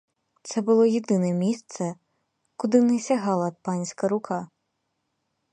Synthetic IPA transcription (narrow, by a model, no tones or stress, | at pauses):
t̪sɛbʊlˠɔjed̪ɪnɛmʲist̪sɛ | kʊd̪ɪnɛsʲɐɦɑlˠɐpɑnʲsʲkɐɾʊkʰɑ